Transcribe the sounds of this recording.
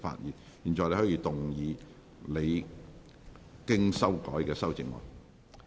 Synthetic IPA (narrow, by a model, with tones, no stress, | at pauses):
fa̰ː˧t̚jiː˨˩n | jiː˨˩nt͡sɔː˨jle˧˩hɔː˨˥jiː˨˧˥t̪ʊ˨ŋjiː˨˧ | le˨˧j | kɪ˥ŋsɐ˥wkɔ̰ː˨˥jkɛː˧sɐ˥wt͡sɪ˨˧ŋmɔ̰ː˨ŋ